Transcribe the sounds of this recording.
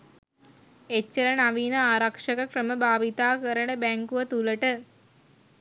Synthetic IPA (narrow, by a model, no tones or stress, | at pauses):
et͡ʃːɐɾɐnaʋiːnɐaːɾɐkʂɐkɐkrəməbʱaːʋit̪aːkəɾəɳəbæŋkuʋɐt̪uləʈə